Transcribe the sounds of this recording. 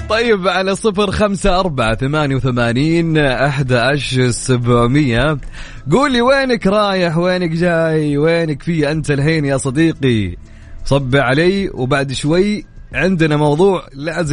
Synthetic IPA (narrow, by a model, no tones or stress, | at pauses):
t̪ˤɑjːɪbʕalasˤɨfɾxamsaʔɑɾˤbaʕaθamaːnjawθamaːniːnʔaħd̪aʔaʃsabʕmɪjːa | ɡuːlːiweːnakɾˤɑːjɪħweːnɪkd͡ʒaːjjweːnɪkfijːaʔant̪alɦeːnjasˤɑd̪iːqi | sˤɑbːɪʕalaːwbaʕd̪ʃwajʕɪnd̪ɪnamɑwðˤuːʕlaːzɪ